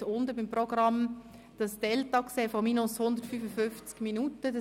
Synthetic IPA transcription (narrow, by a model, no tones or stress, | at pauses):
ʊnd̪əbimprɔɡrɑm | d̥ɑsd̥ɛltɑkseːfɔmiːnʊshʊnd̪əɾtfyfəfʏnft͡skminutədə